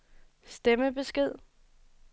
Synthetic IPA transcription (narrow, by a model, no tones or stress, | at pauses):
sd̥eməb̥e̝sɡ̥e̝ð̞̰ˠ